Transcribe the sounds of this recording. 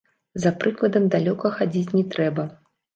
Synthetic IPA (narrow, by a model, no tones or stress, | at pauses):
zɐpɾɨklˠɐd̪ɐmd̪alʲɔkɐxad͡zʲit͡sʲnʲɛt̪ɾɛbɐ